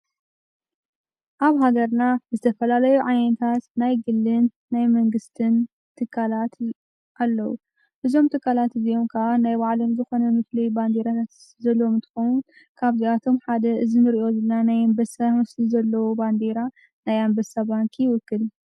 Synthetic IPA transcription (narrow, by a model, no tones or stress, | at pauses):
ʔaβɦaɡɐɾnaɨzɨt̪ʰɐfɐlalɐjuʕajnɐt̪ʰat̪najɡɨlːɨnːajmɐŋɡɨst̪ʰɨn | t̪ʰɨkʰːalat̪ | ʔalːɐwṵ | ʔɨzo̞mt̪ʰɨkːalat̪ɨzio̞mkʰɐʔanajbaʕlomzɨxo̞nɐmɨflijband̪eɾat̪ʰat̪ | zɐlːwomɨnt̪ʰɨ̥xowun | kʰaβziat̪ʰo̞mħad̪ɐʔɨzinɨɾiʔo̞zɐlːanajambɐsamɐslizɐlːɐwoband̪eɾa | najambɐsabaŋkʰijɪwʊkʰːɨl